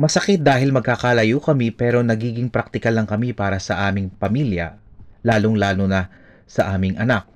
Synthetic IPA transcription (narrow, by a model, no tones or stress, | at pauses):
mɐsɐkɪt̪̚d̪aːɦɪlmɐɡ̚kakalɐjukɐmipɛːɾo̞nɐɡiːɡɪŋpɾak̚t̪ɪkɐlɐŋkɐmipaːɾɐsɐʔaːmɪŋpɐmiljɐ̰laːloŋlaːlonɐ | sɐʔaːmɪŋʔɐnak̚